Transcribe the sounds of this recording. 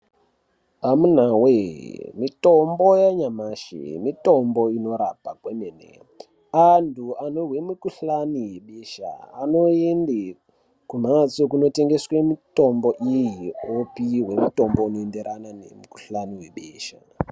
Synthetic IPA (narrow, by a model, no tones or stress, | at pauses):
amun̤awemito̞mbojaɲamaʃḛmito̞mboino̞ɾapakwemenḛ | antʰuanoɦwemikuɬanijeɓeʃa̰ːno̞ende | kum̤at͡sokuno̞te̞ŋɡeswemito̞mbo̞ʔijiopiɦwe̞muto̞mbounoendeɾanane̞̰miku̥ɬaniwe̞ɓeːʃa̰